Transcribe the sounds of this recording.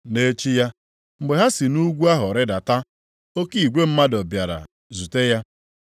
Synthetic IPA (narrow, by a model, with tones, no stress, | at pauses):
ne˦t͡ʃi˦ja˦ | ŋ͡m̩˨ɡ͡be˨ɦa˦si˨nu˦ɡʷu˦a˦ɦʊ˨ɾɪ˦da˨ta˦ | o˦ki˦˨i˨ɡʷe˦m̩˦ma˦dɔ˨bja˨ɾa̰˨ | zu˨te˦ja˦